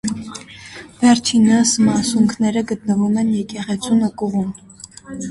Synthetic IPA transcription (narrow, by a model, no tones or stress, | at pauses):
vɛɾt͡ʃʰinɑsmɑsuŋkʰnɛɾəɡət̪nəvumɛnjɛkɛʁɛt͡sʰunəkuʁum